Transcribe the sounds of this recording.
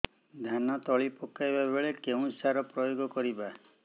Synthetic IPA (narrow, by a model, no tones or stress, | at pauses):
d̪ʱjanɔt̪ɔɭipɔkajbabeɭekeũsaɾɔpɾɔjoɡɔkɔɾiba